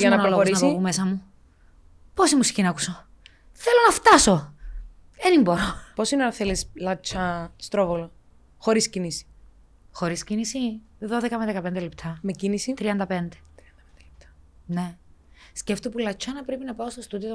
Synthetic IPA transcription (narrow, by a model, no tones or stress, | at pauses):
jɐnɐnɐlooɾinɐsopume̞sɐmu | po̞simusi̥çinɐkuso | θe̞lo̞nɐft̪ɐso̞ | enimbo̞ɾopo̞sineɐnθelislɐt͡ʃʰɐst̪ɾovolo | xo̞ɾiscinisi̥ | xo̞ɾiscinisi | ðo̞ðekɐmeðekɐpe̞nd̪elept̪ʰɐmecinisit̪ɾiɐnd̪ɐpe̞nd̪e̥t̪ɾiɐnd̪ɐd̪elep̚t̪ɐ̥ne̞ | sceft̪opulɐt͡ʃɐnɐpɾepinɐpɐost̪ost̪ud̪io